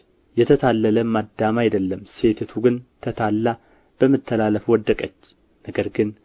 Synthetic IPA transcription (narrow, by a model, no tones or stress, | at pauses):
jɛt̪ʰət̪ʰalːələmad̪ːamajd̪əlːəmse̞t̪ʰt̪ʰuɡɨnt̪ʰət̪ʰalːa | b̥əmːɨt̪ʰːəlaləfwɔd̪ːəkʼət͡ʃː | nəɡəɾɡɨn